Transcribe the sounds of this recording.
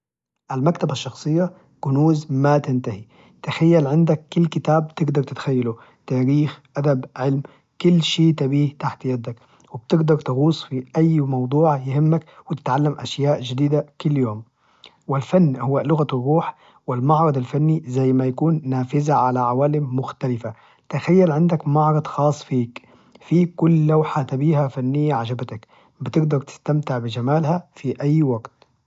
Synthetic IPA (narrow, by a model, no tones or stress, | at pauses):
ʔalmakt̪abaʃːɑxsˤɨjːa | kʊnuːzmat̪ɪnt̪ahi | t̪axajːalʕɪnd̪akːʊlːkɪt̪aːb̚bt̪ɪɡd̪ɑɾˤt̪ɪt̪xajːalu | t̪aːɾiːxʔad̪abʕɪlm | kʊlːʃiːt̪abiːht̪aħt̪jad̪ak | wɪb̥̚t̪ɪɡd̪ɑɾˤt̪ɪɣuːsˤfiʔajːmɑwd̪ˤuːʕjɪhɪmːakwɪt̪ɪ̥t̪ʕalːamʔaʃjaːʔd͡ʒɪd̪iːd̪akʊlːjoːm | wɪlfanːhʊwːalʊɣarˤːuːħ | wɪlmɑʕɾˤɑd̪ˤalfanːizajːmajakuːnːaːfɪzaʕalaʕawaːlɪmːʊxt̪alɪfa | t̪axajːalʕɪnd̪akmɑʕɾˤɑd̪ˤxɑːsˤːfiːk | fiːkʊlːawħat̪abiːhafanːɪjːaʕad͡ʒabat̪ak | bɪt̪ɪɡd̪ɑɾˤt̪ɪ̥st̪amt̪ɪʕbɪd͡ʒamaːlhafiʔajːwaɡt̪